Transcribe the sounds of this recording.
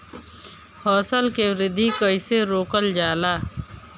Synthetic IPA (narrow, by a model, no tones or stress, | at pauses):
hɔːsəlkewɾɪd̪ʱikəiseɾoːkəld͡ʒaːlaː